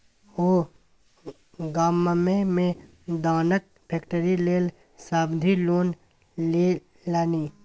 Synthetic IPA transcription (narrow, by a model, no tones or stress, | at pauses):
oː | ɡaːməmemẽ | d̪aːnək̚pʰeːkʈəɾileːl | saːbd̪ʱiloːn | le | laːniː